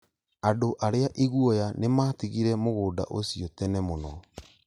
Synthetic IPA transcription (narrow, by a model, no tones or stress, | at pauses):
adoʔaɾeaʔiɣwɔjanemaːtiɣiɾɛmoɣoːda̰ʔosijɔtɛnɛmonɔ